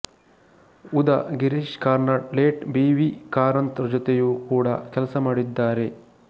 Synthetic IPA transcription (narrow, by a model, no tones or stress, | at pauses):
ud̪ɐɡiɾiʃkaːɾnaʈleːʈbiːʋikaːɾɐnt̪ɾɐd͡ʒɔt̪ejukuːɽɐ̰kɛlɐsɐmaːɽid̪ːaːɾe̞